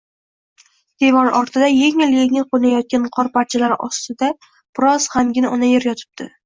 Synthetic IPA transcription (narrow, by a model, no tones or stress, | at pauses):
d̪̥e̞vɒɾɒɾt̪ʰɪd̪ajeŋɪljeŋɪlqʰonajɒt̪̚kʲanqʰɒɾpaɾt͡ʃʰalaɾɒ̰st̪ɪd̪a | b̥ɪɾɒz̥hamɡʲɪnaʔɒnajeɾjɒt̪ʰɪ̥b̚d̪̥ʰɪ